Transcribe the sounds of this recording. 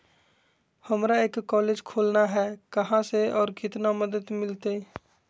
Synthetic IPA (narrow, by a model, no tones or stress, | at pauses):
həmɾaeːkːɔːleːd͡ʒkʰoːlnaɦɛːkɐɦãseɔːɾkɪt̪naməd̪əd̪mɪlt̪e